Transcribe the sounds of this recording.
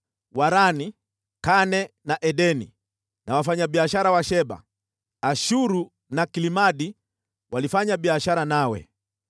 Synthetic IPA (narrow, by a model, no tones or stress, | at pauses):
waɾani | kanɛ | naʔɛɗɛnḭ | nawafaɲaɓiaʃaɾawaʃɛba̰ | aʃuɾu | nakilimaɗi | walifaɲabiaʃaɾanawɛ̰